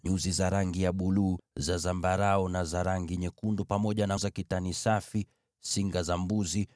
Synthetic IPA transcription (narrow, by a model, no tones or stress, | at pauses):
ɲuzizaɾaŋɡijaɓuluːzazambaɾaɔnazaɾaŋɡiɲɛkundupamɔʄanazakitanisafi | siŋɡazambuzi